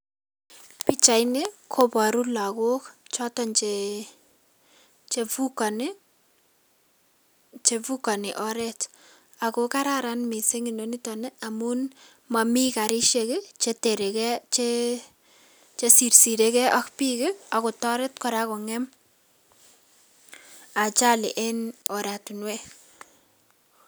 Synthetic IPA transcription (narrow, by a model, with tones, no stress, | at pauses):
pi˦t͡ʃa˨jnekʰo˦pa˨ɾu˦la˨ko˦kt͡ʃɔ˦tɔ˨nt͡ʃe | t͡ʃe˨vuka˨nɪ | t͡ʃe˨vu˦ka˨nɪ˨ʔɔ˦ɾɛ˦t | a˨koka˦ɾaɾanmi˨se˦ŋi˨no˨nitɔ˨ne˦a˨mun | ma˨mi˦ka˨ɾi˦ʃeket͡ʃete˨ɾe˨kɛt͡ʃe | t͡ʃe˦si˨ɾsi˨ɾe˦kɛ˦ʔa˦kpikɪa˨ko˨tɔ˦ɾe˦tkɔ˨ɾa˦ko˨ŋɛm | a˨t͡ʃa˦lḛ˨ʔe˦nɔ˨ɾa˨tu˨nwe˦